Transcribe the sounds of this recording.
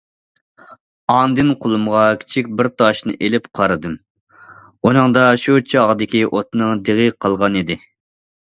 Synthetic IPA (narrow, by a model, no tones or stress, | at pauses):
ɑnd̪ɨnqʰolˠumʁɑkʲʰi̥t͡ʃʰik̚ʲbɪɾt̪ʰɑʃnɨ̰ʔelɪpqʰɑɾɨd̪ɨm | unɨŋd̪ɑʃut͡ʃʰɑʁəd̪ɪkʲiʔot̪nɨŋd̪eʁɨqʰɑlˠʁɑnid̪ɪ